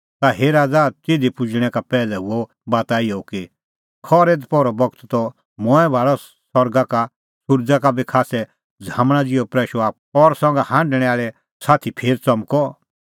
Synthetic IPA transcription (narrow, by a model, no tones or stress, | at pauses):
t̪aɦeːɾaːd͡zat̪eːd̪ipʊd͡ʒɽ̃ɛkapɛːlɛɦuɔ | baːt̪aːiɔki | kʰɔːɾeːd̪pɔɾɔbɔɡt̪t̪ɔ | mɔ̃ɛbʱaːɽɔ | sɔɾɡaka | sʊɾd͡zakabikʰaːsɛ | d͡zʱãːmɽ̃ad͡zɪɔpɾɛːʃɔaːp̚ | ɔɾsɔ̃ŋɡahãːɳɖɽ̃ɛ̃aːɭɛ | saːt̪ʰipʰeːɾt͡sɐmkɔ